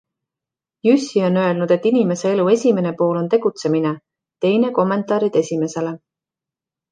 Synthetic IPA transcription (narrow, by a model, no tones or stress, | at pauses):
jysʲːio̞nø̞e̞lnud̪̥e̞t̪ːinime̞se̞e̞lue̞sʲime̞ne̞po̞ːlo̞nt̪e̞ɡ̥ut̪se̞mine | t̪e̞jne̞ko̞mːe̞nt̪ˑɑːɾid̪̥e̞sʲime̞se̞le̞